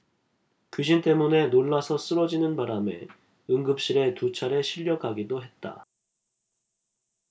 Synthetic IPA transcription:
kiɕ̬ʰint͈e̞mune̞noɭːasʰʌs͈ɯɾʌd͡ʑinɯnpaɾame̞̰ | ɯŋɡɯp̚ɕ͈iɾe̞tut͡ɕʰaɾe̞ɕʰiʎːʌkʰaɡidoɦe̞t̚t͈a̰

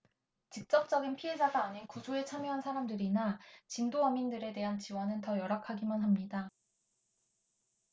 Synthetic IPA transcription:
t͡ɕik̚t͡ɕ͈ʌk̚t͡ɕ͈ʌɡinpʰie̞d͡ʑaɡaːɲinkusʰoe̞t͡ɕʰamjoɦansʰaɾamdɯɾinat͡ɕindoʌmindɯɾe̞de̞ɦant͡ɕiwʌnɯntʌjʌɾakʰaɡimanɦamɲida

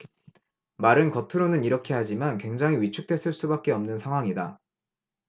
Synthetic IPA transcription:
maɾɯnkʌtʰɯɾonɯniɾʌkʰe̞had͡ʑimankwe̞ŋd͡ʑaŋɦiɥit͡ɕʰuk̚t͈we̞s͈ɯɭs͈ubak̚k͈e̞ʌmnɯnsʰaŋɦwaŋida

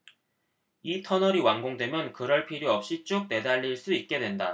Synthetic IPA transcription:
itʰʌnʌɾiwaŋɡoŋdwe̞mjʌnkɯɾʌɭpʰiɾjoʌp̚ɕ͈it͡ɕ͈uk̚t͈e̞daʎːiɭs͈uit̚k͈e̞dwe̞nda

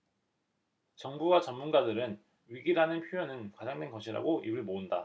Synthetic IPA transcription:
t͡ɕʌŋbuwat͡ɕʌmmunɡadɯɾɯn | ɥiɡiɾanɯnpʰjojʌnɯnkwad͡ʑaŋdwe̞nɡʌɕʰiɾa̰ɡoʔibɯɭmounda̰

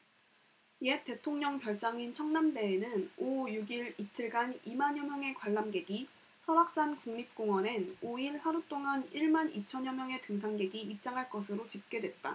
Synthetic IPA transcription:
je̞t͈e̞tʰoŋɲʌŋpjʌɭt͡ɕ͈aŋint͡ɕʰʌŋnamde̞ːnɯnojuɡiɾit͡ɕʰiɭɡanimaɲʌmjʌŋe̞kwaɭːamɡe̞ɡi | sʰʌbak̚s͈ankuŋɲip̚k͈oŋwʌnenoiɭsaɾut͈oŋaniɭmanit͡ɕʰʌɲʌmjʌŋe̞tɯŋs̬ʰaŋɡe̞ɡiːp̚t͡ɕ͈aŋɦaɭk͈ʌsʰɯɾot͡ɕip̚k͈e̞dwe̞t̚t͈a̰

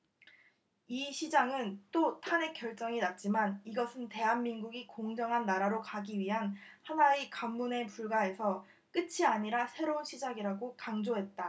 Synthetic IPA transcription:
iɕʰid͡ʑaŋɯnt͈otʰane̞k͈jʌɭt͡ɕ͈ʌŋinat̚t͡ɕ͈imaniɡʌsʰɯnte̞ɦanmːinɡuɡikoŋd͡ʑʌŋɦanːaɾaɾokaɡiɥiɦanhanaikamːune̞puɭɡae̞sʰʌ | k͈ɯt͡ɕʰiaɲiɾasʰe̞ɾounɕʰid͡ʑaɡiɾaɡokaŋd͡ʑoɦe̞t̚t͈a

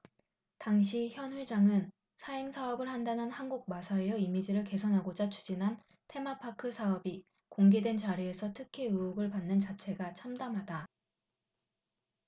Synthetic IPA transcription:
taŋɕʰiçjʌnɸwe̞d͡ʑaŋɯn | sʰaeŋsʰaʌbɯɭhandanɯnhanɡuɡ̚masʰaejʌimid͡ʑiɾɯɭke̞sʰʌnɦaɡod͡ʑat͡ɕʰu̥d͡ʑinɦan | tʰe̞mapʰakʰɯsʰaʌbi | koŋɡedwe̞nt͡ɕaɾie̞sʰʌtʰɯkʰiɯoɡɯɭpanːɯnt͡ɕat͡ɕʰe̞ɡat͡ɕʰamdamɦada

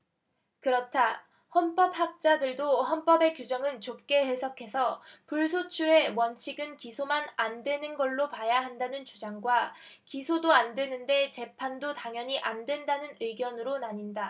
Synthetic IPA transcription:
kɯɾʌtʰa | hʌnp͈ʌp̚hak̚t͡ɕ͈adɯɭdohʌnp͈ʌbe̞kjud͡ʑʌŋɯnt͡ɕop̚k͈e̞he̞sʰʌkʰe̞sʰʌpuɭsʰot͡ɕʰue̞wʌnt͡ɕʰiɡɯnkisʰomanandwe̞nɯnɡʌɭːopajaɦandanɯnt͡ɕud͡ʑaŋɡwakisʰodoandwe̞nɯnde̞t͡ɕe̞pʰandotaŋjʌɲiʔandwe̞ndanɯnɯɡjʌnɯɾonaɲinda

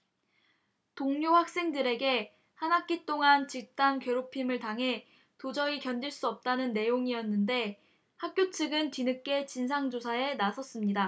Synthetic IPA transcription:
toŋɲoɸwak̚s͈e̞ŋdɯɾe̞ɡe̞ | hanɦak͈it͈oŋant͡ɕik̚t͈ankɥeɾopʰimɯɭtaŋɦe̞ | tod͡ʑʌikjʌndiɭs͈uʌp̚t͈anɯnːe̞joŋiʌnːɯnde̞ | hak̚k͈jot͡ɕʰɯɡɯnt͡ɕinɯk͈e̞t͡ɕinsʰaŋd͡ʑosʰae̞nasʰʌs͈ɯmɲida

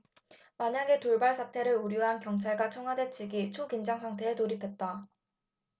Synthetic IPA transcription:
maɲaɡe̞toɭbaɭsʰatʰe̞ɾɯɾuɾjoɦankjʌŋt͡ɕʰaɭɡat͡ɕʰʌŋɦade̞t͡ɕʰiɡit͡ɕʰokind͡ʑaŋsʰaŋtʰe̞ːtoɾipʰe̞t̚t͈a

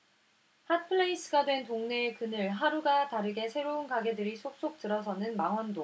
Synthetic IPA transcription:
hat̚pʰɯɭeis͈ʰɯɡadwe̞ntoŋne̞kɯnɯɭɦaɾuɡataɾɯɡe̞sʰe̞ɾounkaɡe̞dɯɾisʰok̚s͈ok̚t͈ɯɾʌs̬ʰʌnɯnmaŋɦwʌndo

